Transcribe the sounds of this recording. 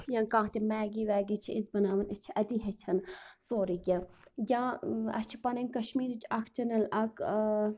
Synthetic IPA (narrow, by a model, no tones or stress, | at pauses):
jãːkãːt̪imɛːɡiʋɛːɡit͡ʃʰiizbɐnaːʋɐnɐt͡ʃʰiʔɐd̪iɦɐt͡ʃʰɐnsoːɾikʲɐ | jãːɐ̰t͡ʃʰi̥pɐnɐnkɐʃmiːɾit͡ʃʰɐkʰt͡ʃʰɐnɐlɐkʰ